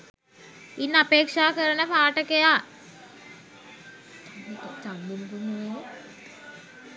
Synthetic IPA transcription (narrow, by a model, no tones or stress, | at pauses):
inːapeːkʂaːkəɾənəpaːʈəkejaː | t̪aŋbunkunuʋen